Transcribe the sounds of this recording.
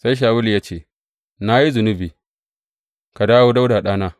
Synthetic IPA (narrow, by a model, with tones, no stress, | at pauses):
sa˦jʃ̬aː˨wʊ˦ljaː˦t͡ʃeː˦˨ | na˦ji˦zʊ˨nʊ˦biː˨ | ka˨daː˦woː˦da˦wdaː˨ɗaː˦naː˦